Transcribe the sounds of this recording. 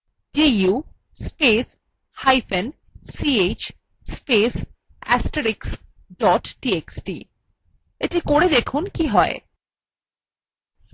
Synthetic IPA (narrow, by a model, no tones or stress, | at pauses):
d͡ʒeju | spes | hajfen | siet͡ɕ | spes | ɛsʈeɾiks | ɖɔʈʈieksʈi | eʈikoɾed̪ekʰunkiɦɔe